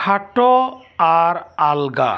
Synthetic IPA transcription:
aʈo | aɾalɡa̰

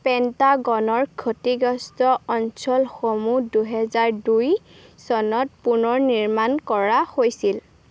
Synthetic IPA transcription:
pɛntaɡɔnɔɹkʰotiɡɔstɔɔnsɔlxomuduɦɛzaɹduj | sɔnɔt̚punɔɹniɹmankɔɹahojsil

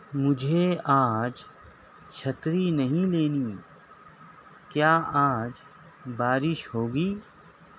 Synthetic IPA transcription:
mʊd͡ʒʱeaːd͡ʒ | t͡ʃʰɐt̪ɾinɐɦĩleːniː | kjaːaːd͡ʒ | baːɾɪʃhoːɡiː

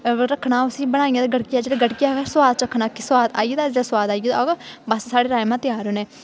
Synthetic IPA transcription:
ɾəkʰːnaːʊsĩːbəɽ̃aːiãd̪ɡəɽkɪjaːd͡ʒeːɽaːɡəɽkɪjaːkːswaːd̪̚t͡ʃɾəkʰːnaːkɪswaːd̪aːiːd̪aːd͡ʒeːɽaːswaːd̪aːiːd̪ɡbəssaːɽeːɾaːmãːt̪ɪjaːɾoneː

